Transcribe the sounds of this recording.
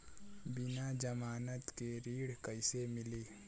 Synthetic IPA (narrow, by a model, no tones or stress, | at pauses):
bɪnaːd͡ʒəmaːnət̪keɾiːɽkəɪsemɪliː